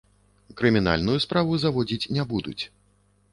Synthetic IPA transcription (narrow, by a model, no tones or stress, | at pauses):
kɾɨmʲina̰lʲnujuspɾavuzavɔd͡zʲit͡sʲnʲabud̪ṵt͡sʲ